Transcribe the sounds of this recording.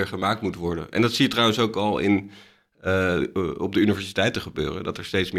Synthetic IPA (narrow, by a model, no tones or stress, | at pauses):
ɹχəmaːk̚tmutʋɔɹdə̰nɛ̰ndɑtsijətrɑwə̃nsowkɑlˠɪ̰n | ɔb̚dəynivɛɹsitɛjtəχəbø̰ːrə̰ndɑtɛɹstejtsm